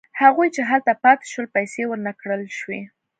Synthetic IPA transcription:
haɣujt͡ʃeɦalt̪apɑt̪ɪ̥ʃwəlpajsewəɾnakɽəlʃwe

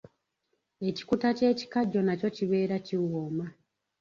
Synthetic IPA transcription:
e̞ci̥kutace̞ːci̥kaɟːo̞naco̞ciβe̞ːɾaciwoːma

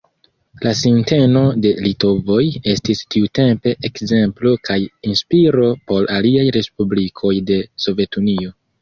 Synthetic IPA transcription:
lasinte̞no̞de̞lito̞vo̞je̞stistiute̞mpe̞ʔekze̞mplo̞kʰajinspiɾo̞po̞ɾaliajɾe̞spublikʰo̞jde̞so̞ve̞tunio̞

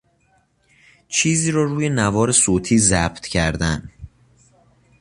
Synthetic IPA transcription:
t͡ʃʰiːziːɾɒːɾuːjenævɒːɾesoːt̪ʰiːzæb̥t̪ʰcʰæɾd̪æn

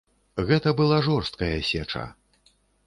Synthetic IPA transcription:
ɣɛt̪ɐbɨlˠaʐɔrst̪̚kɐjɐsʲɛt͡ʂɐ̰

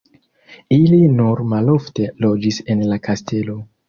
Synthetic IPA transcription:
ilinuɾmalo̞fte̞lo̞d͡ʒise̞nlakastʰe̞lo̞

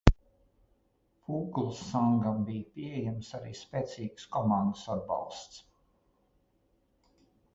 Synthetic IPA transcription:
fuːɡlˠsːaŋɡambijpʲiɛjɛmsaɾiːspɛːt̪siːɡskɔmɑnd̪əsad̪̚bɑ̰lˠst̪s

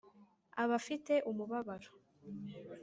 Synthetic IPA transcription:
aβafite̞ʔumuβaβaɾo̥

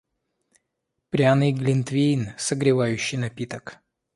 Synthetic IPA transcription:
pɾʲanɨjɡlʲɪnt̪vʲejnsəɡɾʲɪvajʉɕːɪjnɐpʲit̪ək

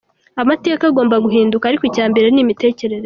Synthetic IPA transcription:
amate̞ːkaɡo̞ːmbaɡuɦiːndukaːɾikoicaːmbe̞ɾe̞nimite̞ːce̞ɾe̞ɾe

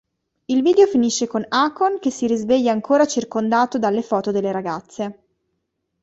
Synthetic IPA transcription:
ilviːd̪eofiniʃːekonakonkesːiɾizveʎːaːŋkoːɾat͡ʃirkond̪aːt̪od̪alːefɔːt̪od̪elːeɾaɡat̪sːe

